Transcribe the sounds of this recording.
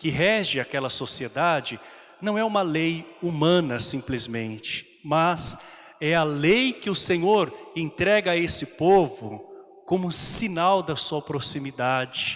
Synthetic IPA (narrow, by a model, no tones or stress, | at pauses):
kɪɦɛʒɪakɛlɐsosied̪ad͡ʒɪ | nɐ̃w̃ɛũmɐlejumɐ̃nɐsĩplizmẽnt͡ʃɪ̥ | mɐz | ɛɐlejkɪʊsẽɲoɾẽnt̪ɾɛɡɐesɪpovʊ | kõmʊsinawd̪ɐsuɐpɾosimid̪ad͡ʒɪ